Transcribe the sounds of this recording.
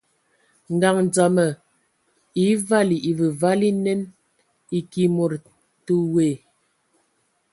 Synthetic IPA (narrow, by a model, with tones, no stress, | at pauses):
ŋ̩˨ɡa˨ŋd͡za˨mə˨ | i˨˦va˦˨li˨ʔi˨və˨va˦li˦nɛ˦n | i˨ki˨mo˨ɾ | tu˦we˨